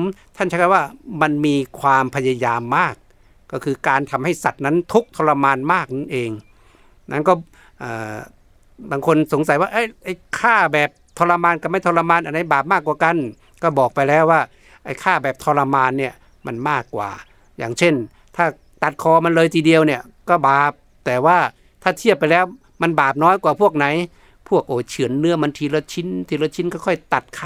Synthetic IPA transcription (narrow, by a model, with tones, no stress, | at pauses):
mt̪ʰa˥˩nt͡ɕʰaː˥ka˧˩waː˥˩ma˧nmiː˧kʰwaː˧mpʰa˧ja˧jaː˧mːaː˥˩k̚ː | ɔː˥˩kʰɯː˧kaː˧nt̪ʰa˧mha˥˩jsa˨˩t̪̚na˦˥nt̪ʰu˦˥k̚t̪ʰɔː˧la˧maː˧nmaː˥˩k̚n˦˥nʔeː˧ŋ | nʔa˦˥nkɔː˥˩ | ʔəː˧˩ | baː˧ŋkʰo˧nso˩˦ŋsa˨˦jwaː˥˩ʔa˦˥˩jʔa˧˩jkʰaː˥˩bɛː˨˩p̚t̪ʰɔː˧la˧maː˧nka˧˩ma˥˩jt̪ʰɔ˧la˧maː˧nʔa˧˩nda˧˩jbaː˨˩p̚maː˥˩kːwaː˨˩ka˧n | kɔː˧˩bɔː˨˩k̚pa˧jlɛː˦˥˩waː˧˥˩ | ʔa˧˨jkʰaː˧˥˩bɛː˨˩p̚t̪ʰɔː˧la˧maː˧nːi˧˩ə | ma˧˩nmaː˥˩kːwa̰ː˨˩ | jaː˨˩ŋsʰe˧˥˩n | t̪ʰaː˧˩ | t̪a˨˩t̪̚kʰɔː˧ma˧nlɤː˧jt̪ʰiː˧di˧ə˧wni˧˩ɐ | kɔ˧˩baː˨˩p̚ | t̪ɛː˨˩waː˧˩ | t̪ʰaː˧˩t̪ʰi˧˥˩əpːa˧jlɛː˦˧˥w | ma˧˥˨nbaː˨˩p̚nɔː˦˥˨jkwaː˨˩pʰu˥˩ək̚na˨˦j | pʰu˧˥˩ək̚ʔoː˧˨˩t͡ɕʰɯ˨˦ənːɯ˧˥ɐma˧nt̪ʰiː˧lo˧t̪̚t͡ɕʰi˧˥˨nt̪ʰiː˧lo˧t̪̚t͡ɕʰi˧˥nkɔ˧˩kʰɔ˧˩jt̪a˨˩t̪̚kʰː